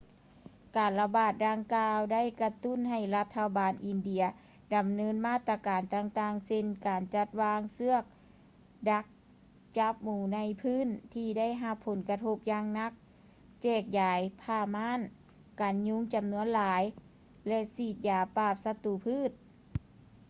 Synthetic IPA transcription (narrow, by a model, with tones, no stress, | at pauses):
kaː˨˩nla˧baː˧˩t̪̚daː˧ŋkaː˧wda˥˨jka˧t̪u˥˨nɦa˨˩jla˧t̪ʰːa˧baː˨˩nʔi˨˩ndi˧˩˨ɐ | da˨˩mnɤː˧˥nmaː˥˩t̪ːɾa˧kaː˨˩nt̪aː˧ŋt̪aː˧˩ŋse˧nkaː˨nt͡ɕa˧t̪̚waː˧˥ŋsɯ˥ɐk̚ | da˧˥k̚ | t͡ɕa˧˥p̚muː˨˩na˧˥jpʰɯː˧˥˨nt̪ʰiː˧da˥˨jɦa˧pʰːo˨˦nka˧t̪ʰo˧˥p̚jaː˧ŋna˧˥k̚ | t͡ɕɛː˧˩k̚jaː˨jpʰaː˧˩maː˧˥˨n | kaː˨˩nɲu˧˥ŋt͡ɕa˨˩mnu˧˥ənlaː˨˦j | lɛ˧siː˧˩t̪̚jaː˨˩paː˧˩p̚sa˧t̪u˧˨pʰɯː˥˨t̪̚